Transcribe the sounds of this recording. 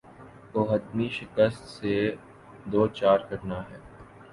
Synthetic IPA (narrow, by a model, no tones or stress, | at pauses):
oːɦəd̪miʃɪkəst̪se | d̪oːt͡ʃaːɾkɐɾnaɦɛː